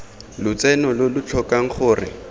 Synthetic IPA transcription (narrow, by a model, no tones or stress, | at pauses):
lʊt͡sɛnɔlʊlʊt͡ɬʰɔkaŋ̩χʊːrɪ̰